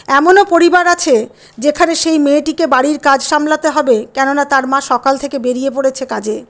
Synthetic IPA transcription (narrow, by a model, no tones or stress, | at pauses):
ɛmonopoɾibaɾat͡ɕʰe | d͡ʑekʰaneʃejmeːʈikebaɽiɾkad͡ʑʃamlat̪eɦɔbekɛnonat̪aɾmaʃɔkalt̪ʰekebeɾiep̬oɽet͡ɕʰekad͡ʑe